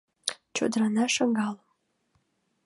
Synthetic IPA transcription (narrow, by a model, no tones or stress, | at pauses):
t͡ɕo̰d̪ɾɑnɑʃəŋɡɑlə